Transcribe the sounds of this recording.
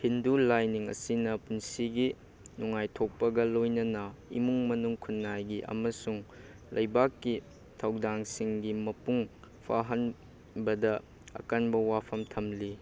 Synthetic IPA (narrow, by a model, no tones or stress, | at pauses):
hindulajniŋɐ̰sinɐpunsiɡi | nuŋajtʰok̚pɐɡɐlojnɐnɐḭmuŋmɐnuŋkʰunːajɡiʔɐ̰mɐsuŋ | lʔɐjbakːi | tʰawdaŋsiŋɡimɐpuŋ | pʰa̰ɦɐn | bɐdɐ | ɐ̰kanbɐwapʰɐmtʰɐmli